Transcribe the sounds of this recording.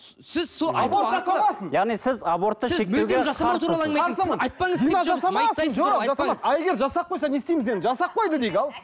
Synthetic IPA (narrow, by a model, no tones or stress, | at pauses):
sɪzsoabot̪ʒɑɑmɑsənjɑʁnijsɪzɑbo̞ɾt̪ːəʃe̞k̚teɡ̪ʲeʒɑsɑmɑt̪ʰuɾɑɑɑsɑmɑjt̪pɑŋəzijnɑʒɑsɑmɑɑsəɴʒoʒɑsɑɑɑe̞ɡʲeɾʒɑsɑp̚qʰːojsɑne̞st̪e̞jmɪzenʒɑsɑp̚qʰo̞jd̪əd̪eɡʲɑlˠ